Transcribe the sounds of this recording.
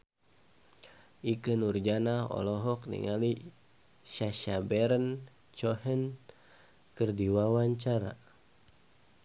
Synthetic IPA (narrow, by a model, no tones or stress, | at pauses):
ʔikənurd͡ʒanaɔ̰lɔɦɔk̚nḭŋali | ʃaʃabɛɾən | t͡ʃɔhən | kɨrdiwawaɲt͡ʃaɾa̰